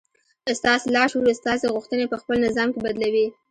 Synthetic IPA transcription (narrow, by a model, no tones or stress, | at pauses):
st̪ɑselɑʃuɾest̪ɑseɣʊxt̪ənepəxpəlnɪzɑmkebad̪lawi